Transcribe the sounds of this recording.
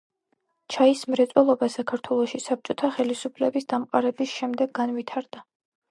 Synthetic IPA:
t͡ʃʰaismɾɛt̪sʼwɛlˠɔbasakʰaɾt̪ʰwɛlˠɔʃisap̚t͡ʃʼɔt̪ʰaχɛlisupʰlɛbisd̪amqʼaɾɛbisʃɛmd̪ɛɡːanvit̪ʰaɾd̪a

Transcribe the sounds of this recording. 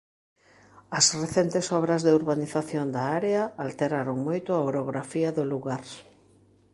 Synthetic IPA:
ɐsreθent̪esɔβɾɐzðɪuɾβaniθaθjond̪ɐaɾeɐalt̪eɾaɾoŋmojt̪ʊaoɾoɣɾafiɐðʊluɣaɾ

